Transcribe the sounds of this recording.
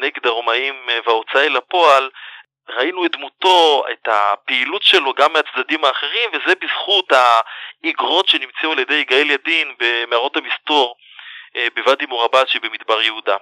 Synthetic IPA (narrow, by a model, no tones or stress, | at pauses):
neɡed̪aʁomaimvaot͡saelapo̞al | ʁainuet̚dmuto̞ḛtapeilutʃelo̞ɡamːeat͡sdadimhaːχe̞ʁimvezebiz̥χuthaiɡʁo̞tʃe̞nimt͡seualjedejiɡaeljadinbemeaʁo̞thamisto̞ʁ | bevadimuʁabaʃbemidbaʁjeuda